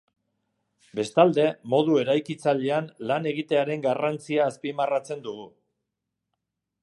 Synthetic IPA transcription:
be̞st̪ald̪e̞mo̞ðue̞ɾajkit͡saʎe̞anlane̞ɣit̪e̞aɾe̞ŋɡarant͡siaːspimarat͡se̞nd̪uɣu

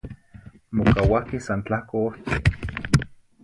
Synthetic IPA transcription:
mokawakisant͡ɬahkooht͡se

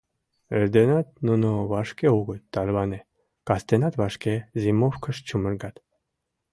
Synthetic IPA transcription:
eɾd̪enɑt̪̚nunoβɑʃkeuɣə̆t̪t̪ːɑlβɑne | kɑst̪enɑt̪βɑʃkezimofkə̆ʃt͡ɕumə̆ɾɡɑt̪

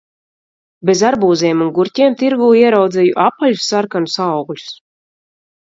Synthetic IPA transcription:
bezaɾbuːzɛːmunɡuɾt̪ʲɛɛmt̪iɾɡuːiɛɾawd̪zɛjuʔapːaʎʲusːaɾkanusawɡlʲu̥s

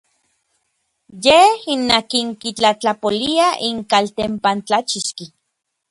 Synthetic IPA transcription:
jehinːakiŋkit͡ɬat͡ɬapoliaʔiŋkalt̪empant͡ɬat͡ʃiʃki

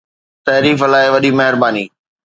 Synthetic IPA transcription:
t̪ɐɦɾiːflaːɪʋɐɗimɐɦɪɾbaːniː

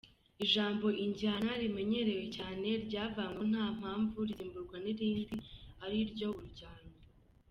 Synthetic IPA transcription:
iʒaːmbo̞ʔiɲɟianaɾime̞ɲe̞ɾe̞we̞caːne̞ɾɟaːvaːŋwo̞n̥aːm̥haːɱvuɾɟiːmbuɾɡwaniɾiːndiaɾiɾɟo̞uɾuɟaːndo

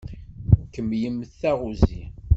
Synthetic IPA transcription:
kːəmjəmːθːæʁuzi

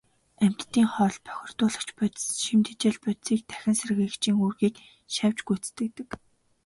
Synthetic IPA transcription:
æm̥ʲt̪ːiːŋχɔːɮpʰœ̥xʲɪ̆r̥t̪ʊːɮə̆kt͡ɕpʊt̪ʃimt̪et͡ɕĕːɮpʊt̪t͡siːk̚t̪ʰæ̥xʲɪ̆nserɣɘ̆ːkt͡ɕʰiːŋuːrɣiːk | ʃæw̥ʲt͡ɕɡut͡st̪ɘ̆k̚t̪ɘ̆k

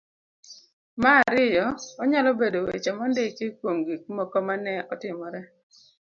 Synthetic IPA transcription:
maːɾɪjɔːɲalɔbedowet͡ʃamɔndekikwoŋɡik̚mɔkɔmanɛɔtɪmɔɾɛ

